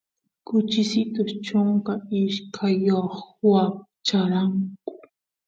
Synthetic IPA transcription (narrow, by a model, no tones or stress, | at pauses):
kʊt͡ʃɪsɪt̪ʊʃt͡ʃʊŋkaɪʃkʰajoχwap̚ | t͡ʃaɾaŋkʊ̥